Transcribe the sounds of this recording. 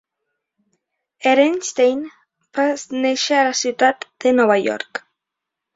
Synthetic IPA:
eɾenst̪ejn | bazneʃealasiwt̪at̪d̪̥enɔβajɔ̰ɾk

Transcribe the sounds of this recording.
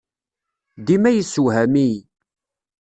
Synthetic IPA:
d̪imæjəsːuɦæmi

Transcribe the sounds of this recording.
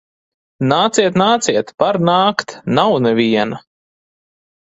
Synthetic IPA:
naːt̪siɛt̪naːt̪siɛt̪paɾnaːkt̪nawnɛvʲiɛna

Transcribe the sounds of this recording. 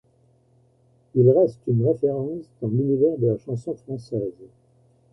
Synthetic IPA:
ilʁɛst̪ynʁefeʁɑ̃sd̪ɑ̃lynivɛʁd̪əlaʃɑ̃sɔ̃fχɑ̃sɛːz

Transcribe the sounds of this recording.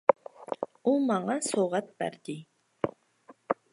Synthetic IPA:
umɑŋɑsoʁɑt̪̚b̥æ̰ɾd̪̥ɪ

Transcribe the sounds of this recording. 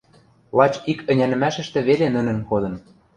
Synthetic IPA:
lˠɑt͡ɕikə̆nʲænɘ̆mæʃə̆ʃt̪ĕβelenə̆nə̆nkod̪ɤ̆n

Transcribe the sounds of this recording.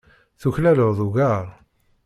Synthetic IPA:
θuçlæləðˤuɣaɾˤ

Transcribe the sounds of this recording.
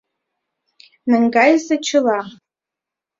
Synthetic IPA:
nɨŋɡajzat͡ʃʰɪla

